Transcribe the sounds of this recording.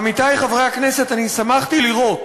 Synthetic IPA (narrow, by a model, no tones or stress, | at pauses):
mit̪ajχavʁejakne̞se̞t̪anisamaχt̪iliʁo̞t